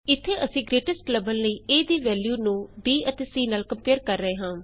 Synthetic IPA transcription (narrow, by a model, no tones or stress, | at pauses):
ɪt̪ʰːeːʔəsĩːɡɾeːʈɪskləbəlnəiːeːd̪iːʋɛːljuːnũːbiːʔət̪eːsiːnaːlkəmpeːəɾkəɾːəɦeːɦãː